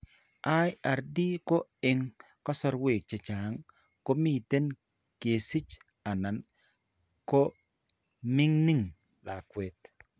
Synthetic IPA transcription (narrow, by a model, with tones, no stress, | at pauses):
ʔa˦ja˨ɾdi˦ko˦ɪ˨ŋ | kɔ˦sɔ˦ɾwe˨k̚t͡ʃe˨t͡ʃa˨ŋ | ko˦mi˦˨t̪e˦n | ke˨si˦t͡ʃ | a˨na˨n | ko˦ | mɪ˦ŋni˦ŋ | la˨kwe˨t̪̚